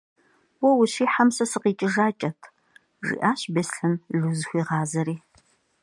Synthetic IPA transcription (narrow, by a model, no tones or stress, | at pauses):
wɔwʊɕiːħamsɐsɨqiːt͡ʃʼɪʒaːt͡ʃʼɐtʰ | ʐḭːʔaːɕbesɬɐnɮuzxʷiːʁɑːzɐɾiː